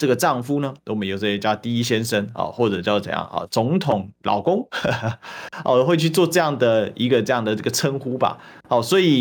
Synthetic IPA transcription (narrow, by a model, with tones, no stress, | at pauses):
ʈ͡ʂɤ˥˩ɡə˩ʈ͡ʂɑ˥˩ŋfu˥nə˧˥˧mə˦jo˨˩ʊt͡sɤ˥˩ɕɛ˥˩t͡ɕja˥˧ʊt̪i˥˧˩i˦˥ɕjɛ˥nʂə˧˥nɑ̰˨˩xwɔ˥˩ʈ͡ʂɤ˨˩t͡ɕjɑ˥˩ʊt͡sə̰˨˩˦jɑ̰˥˩ŋɑ̰˨˩t͡sʊ˧˦˥ŋt̪ʰʊ˨˩˦ŋlʔɑ̰˨˩ʊkʊ˥ŋ | ɑ̰˥˧˩xwe˥˧ɪt͡ɕʰy˥˧t͡swɔ˥˧ʈ͡ʂɤ˥˧jɑ˥˩ŋd̪ə˩i˧˥ɡə˧ʈ͡ʂɤ˥˧jɑ˥˩ŋd̪ə˩i˧˩ɡə˩t͡sʰə˥nxu˥ba̰˨ɑ˨˩swɔ˧˥i˨˩